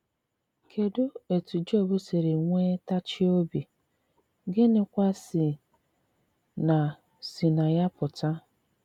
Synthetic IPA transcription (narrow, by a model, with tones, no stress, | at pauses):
kʰe˨dʊ˦e˨tu˨d͡ʒo˦˨bʊ˦se˨ɾe˨ŋʷe˦ta˦t͡ʃɪ˦o˦bi˨ | ɡɪ˦nɪ˦kʷa˦sɪ˨ | na˨ | si˨na˨ja˦pʊ˨ta˦